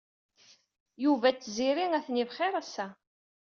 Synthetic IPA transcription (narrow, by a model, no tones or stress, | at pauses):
juvæt͡sːziɾiŋæθnivχɪɾˤæsːæ